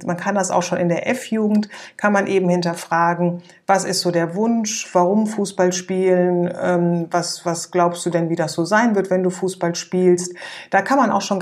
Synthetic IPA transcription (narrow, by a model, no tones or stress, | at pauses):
mankʰandasa̰ʊxʃoːnɪndeːɐʔɛfjuːɡŋ̩tkʰanmanʔeːbm̩hɪntɐfʁ̥aːɡŋ̩ | vasɪstz̥oːdeːɐvʊnʃv̥aʁ̞ʊmfuːsb̥alʃpiːlənʔɛːmvasv̥asɡ̥laʊpstd̥uːdɛnviːdasz̥oːzaɪnvɪɐtv̥ɛnduːfuːsb̥alʃpiːlstd̥aːkʰanmanʔa̰ʊxʃoːn